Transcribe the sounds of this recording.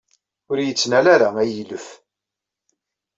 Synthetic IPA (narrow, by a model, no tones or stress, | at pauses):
ʊɾjət͡sːnælæɾaæjiləf